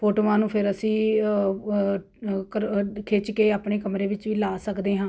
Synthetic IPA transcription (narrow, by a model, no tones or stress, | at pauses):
pʰoːʈoːʋãːnũːpʰɪɾəsĩː | kəkʰɪt͡ʃkeːaːpɳeːkəmɾeːʋɪt͡ʃʋiːlaːsəkd̪eːɦãː